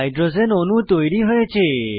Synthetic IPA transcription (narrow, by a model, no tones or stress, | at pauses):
ajɖɾozenonũt̪ojɾiɦojet͡ʃʰe